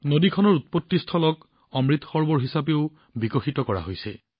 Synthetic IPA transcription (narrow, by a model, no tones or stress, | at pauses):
nodikʰɔnɔɹut̪̚potːistʰɔlɔk | ɔmɹit̪xɔɹbɔɹɦisapeʊ | bikoxitɔkɔɹa̰ɦojsɛ̰